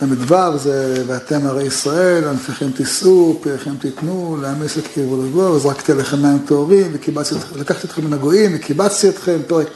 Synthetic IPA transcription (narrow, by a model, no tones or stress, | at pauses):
tamid̪vavzeveat̪emaʁejisʁae̞lanfiχemt̪isʔupiʁχemt̪it̪nuleamisetkivolaɡovazʁaki̥t̪eleχemːaemt̪oːʁimvekibat͡st̪it̪χlakaχt̪iot̪χeminaɡoimvekibat͡st̪iot̪χemt̪oʁe